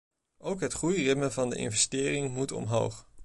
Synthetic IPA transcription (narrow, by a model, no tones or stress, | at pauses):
ʔowkɦətχujrɪtmənvɑndə̰ʔɪ̰nvɛstɪːrɪŋmutɔ̰mɦo̰wχ